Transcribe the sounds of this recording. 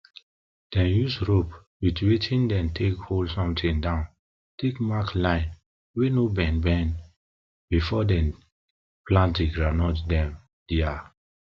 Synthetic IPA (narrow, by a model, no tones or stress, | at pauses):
d̥ɛ̃njusɹop | witwetʰĩndɛ̃ntʰekholdsɔ̃mtĩŋdãʊ̃n | tʰekmaklãɪ̃n | wenobɛ̃nbɛ̃n | bifɔdɛ̃n | plãntdeɡɹanɔtdɛ̃m | d̥ia